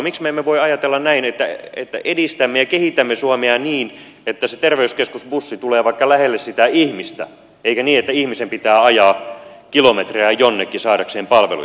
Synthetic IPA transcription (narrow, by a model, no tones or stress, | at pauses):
miksmemːeʋoiɑjɑt̪elːɑnnæinet̪ːæḛt̪ːæʔedist̪æmːejɑkehit̪æmːesuɑmeɑniːn | et̪ːæset̪erʋeyskeskusbusːit̪uleːʋɑikːɑlæhelːessit̪æihmist̪æ̰ | eikæniːet̪ːæihmisempit̪æːɑjɑːkilomet̪reæjonːekːisɑːdɑkseːmpɑlʋḛlṵ